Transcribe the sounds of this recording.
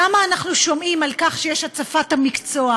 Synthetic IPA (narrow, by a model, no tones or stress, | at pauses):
amaːnaχnuʃo̞mʔimalkaχʃejeʃat͡safathamikt͡so̞a